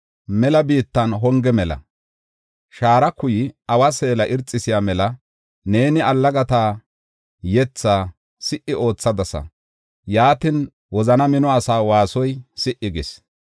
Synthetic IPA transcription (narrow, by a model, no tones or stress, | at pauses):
mɛlɐbiːt̪ːɐnɦɔŋɡɛmɛlɐ̰ | ʃaːɾɐkʊjɪʔɐwɐse̞ːlɐʔɪɾt͡sʼːɪsɪjaːmɛlɐ | ne̞ːnɪɐlːɐɡɐt̪aː | jɛt͡sːaː | sɪʔːɪo̞ːt͡sːɐd̪ɐsɐ̰ | jaːt̪ɪn | wɔzɐnɐmɪnɔɐsaːwaːsɔjsɪʔɪɡɪs